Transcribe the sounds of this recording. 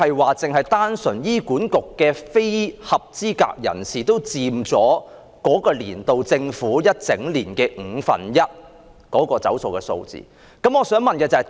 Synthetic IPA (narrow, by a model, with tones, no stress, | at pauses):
ɐ˨jwaː˨t͡sɪ˨˩ŋɦɐ˨jt̪aː˥nsɵ˨˩njiː˥kuː˨˥nkʊ˨kːɛː˧fe˥jhɐ˨p̚t͡siː˥ka̰ː˧k̚jɐ̰˨˩nsiː˨˩t̪o˥wt͡siː˧mt͡sɔː˨˥ | kɔː˨˥kɔː˧liː˨˩nt̪o˨wt͡sɪ˧ŋfuː˨˥jɐ˥t̚t͡sɪ˨˥ŋliː˨˩nkɛː˧ŋ̩˨˩˧fɐ̰˨njɐ˥t̚ | kɔː˨˥kɔː˧t͡sɐ̰˨˥wso˨wkɛː˧so̰˧wt͡sḭː˨ | kɐ˨˥mɔː˨˧sœː˨˥ŋmɐ˨nkɛː˧t͡sɐ˨˩